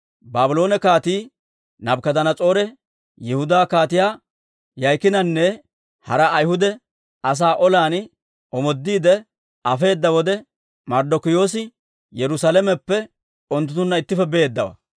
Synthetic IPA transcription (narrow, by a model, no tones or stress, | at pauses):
baːbɪlo̞ːnɛkaːt̪iː | nɐbkɐd̪ɐnɐt͡sʼo̞ːɾɛ | jɛhʊd̪aːkaːt̪ɪjaː | jɐjkɪnɐnːɛ | hɐɾɐːjhʊd̪ɛ | ɐs̬aːʔɔlaːn | ɔmɔd̪ːiːd̪ɛ | ɐfe̞ːd̪ːɐwɔd̪ɛ | mɐɾd̪ɔkɪjo̞ːs̬ɪ | jɛɾʊsalɛmɛpːɛ | ɔnt̪̬ːʊt̪ːʊnːɐɪt̪ːɪfɛbeːd̪ːɐwɐ̰